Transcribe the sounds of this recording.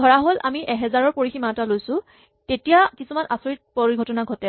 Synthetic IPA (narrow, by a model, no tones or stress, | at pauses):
ɡʱɔɹaɦola̰miʔɛɦɛzaɹɔɹpoɹiximatalojsʊ̃ | tetijakisumana̰soɹit̚poɹiɡʱɔtɔnaɡʱɔtɛ